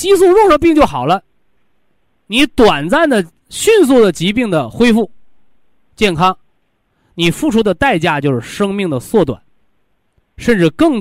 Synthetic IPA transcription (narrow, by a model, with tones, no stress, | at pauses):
t͡ɕi˥s̬u˥˧ɻʊ˥˧ŋʂɤ˧˥pi˥˧ŋt͡ɕjo˥˩ʊxɑ˨˩ʊlə˦ | ni˧˥t̪wa˨˩nt͡sa˥˩nd̪ə˩ | ɕy˥˧ns̬u˥˩d̪ə˩t͡ɕi˧˥pi˥˩ŋd̪ə˩xwe˥ɪfu˥˩ | t͡ɕjɛ˥˩nkʰɑ˥ŋ | ni˨˩fu˥˩ʈ͡ʂʰu˥d̪ə˨t̪a˥˧ɪt͡ɕja˥˧t͡ɕjo˥˧ʊʂɻ̩˥˩ʂɤ˥ŋmi˥˩ŋd̪ə˩swɔ˥˩t̪wa̰˨˩˦n | ʂə˥˧nʈ͡ʂɻ̩˥˧kɤ˥˩ŋ